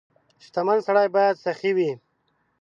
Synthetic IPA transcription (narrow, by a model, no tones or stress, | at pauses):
ʃt̪amansaɽajbɑjad̪saχiwi